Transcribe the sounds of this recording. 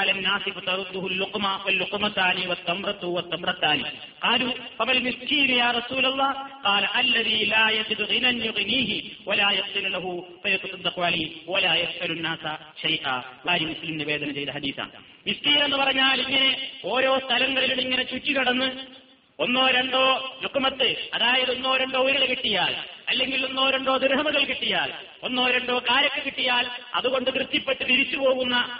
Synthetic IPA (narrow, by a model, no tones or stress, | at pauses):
lɐnːaːsifɐt̪ɐɾud̪ːuɦulːuqmɐwɐlːuqmɐt̪ːaːniʋɐt̪ːɐmrɐt̪ːuʋɐt̪ːɐmrɐt̪ːaːni | qɑːlufɐmɐlmiskiːnujaːrɐsuːlɐlˠˤːɑːqɑːlɐʔɐlːɐðiːlaːjɐd͡ʑid̪uɣinɐnjuɣiniːɦiwɐlaːjɐfsinulɐɦufɐjɐt̪ːɐsɐd̪ːɐqʋaliwɐlaːjɐsʔɐlunːaːsɐ | ʃɐjʔa̰ːbaːɾjɐmuslimniʋeːd̪ɐnɐt͡ɕe̞jd̪ɐɦɐd̪iːθa̰ːɳ | miskiːne̞nːɨpɐrɐɲːaːliŋːɐne̞o̞ːɾo̞ːst̪ʰɐlɐŋːɐɭiluɽiŋːɐnet͡ɕuːt͡ɕːikɐɽɐnːɨ | onːo̞ːɾe̞ɳɖo̞ːlukːɐmɐt̪ːɨɐðaːjɐðo̞nːo̞ːɾeɳɖo̞ːuɾilekiʈːijaːlɐlːe̞ŋɡilo̞nːo̞ːɾeɳɖo̞ːd̪irɦɐmuɣɐɭkiʈːijaːl | o̞nːo̞ːɾeɳɖo̞ːkaːɾjɐkːɨkiʈːijaːlɐ̰ðuɣo̞ɳɖɨkrɨt̪ːjɐpːe̞ʈːɨt̪iɾit͡ɕːupo̞ːɣunːɐ